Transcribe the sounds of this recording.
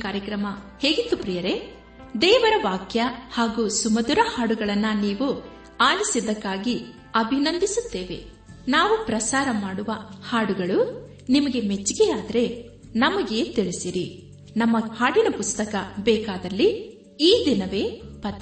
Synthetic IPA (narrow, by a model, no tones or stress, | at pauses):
kaːɾjɐkɾɐmɐ | heːɡit̪ːupɾijɐɾe̞ | d̪ɛːʋɐɾɐʋaːkjɐhaːɡuːsumɐd̪uɾɐhaːɽuɡɐɭɐnːɐniːʋu | aːlisid̪ɐkːaːɡi | ɐbʱinɐnd̪isut̪ːeːʋe̞̰ | naːʋupɾɐsaːɾɐmaːɽuʋɐhaːɽuɡɐɭu | nimɐɡe̞me̞t͡ʃːiɡeaːd̪ɐɾe̞ | nɐmɐɡe̞ːt̪iɭisiɾi | nɐmːɐhaːɽinɐpust̪ɐkɐbɛːkaːd̪ɐlːi | iːd̪inɐʋe̞ːpɐt̪ː